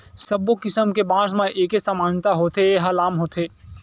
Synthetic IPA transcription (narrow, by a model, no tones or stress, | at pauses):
səbokɪsəmkebãːsmẽʔeːkesamaːnt̪aɦoːt̪eɦɐlaːmɦoːt̪ʰeː